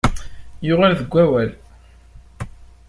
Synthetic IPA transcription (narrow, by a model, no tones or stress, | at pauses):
jʊʁalðəɡʷːæwæl